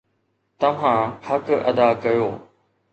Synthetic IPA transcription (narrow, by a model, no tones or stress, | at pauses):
t̪ɐʋ̤ãhɐkɐ̰d̪akɐjoː